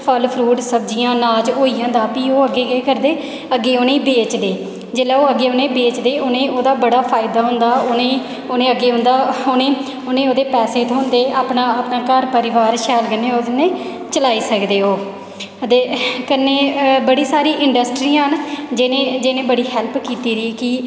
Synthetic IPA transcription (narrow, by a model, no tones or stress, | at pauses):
pʰəlpʰɾuːʈsəbd͡ʒijãːnaːd͡ʒɦoːiːjãːd̪aːpĩːoːəɡːeːɡeːkəɾd̪eː | əɡːeːoːnẽːiːbeːt͡ʃd̪eː | d͡ʒeːlaːoːəɡːeːoːnẽːbeːt͡ʃd̪eːʔoːnẽːʔoːd̪aːbəɽaːpʰaːɪd̪aːɦʊ̃nd̪aːoːnẽː | oːnẽːəɡːeːɦʊ̃nd̪aːoːnẽː | onẽːoːd̪eːpɛːseːt̪ɦõːnd̪eːaːpnaːaːpnaːkəɾpəɾɪʋaːɾʃɛːlkənːẽːoːdnẽː | t͡ʃəlaːiːsəkd̪eːoː | t̪eːkənːeːbəɽiːsaːɾiːʔɪɳɖəsʈɾiːãːɦənd͡ʒɪnẽːd͡ʒɪnẽːbəɽiːɦɛlpkiːt̪iːɾiːkɪ